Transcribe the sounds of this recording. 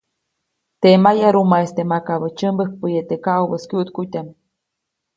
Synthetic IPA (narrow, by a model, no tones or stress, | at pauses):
t̪emajaɾumaest̪emakaβət͡ʃəmbək̚pəjet̪ekaʔubəskuʔt̪kut̪ʲam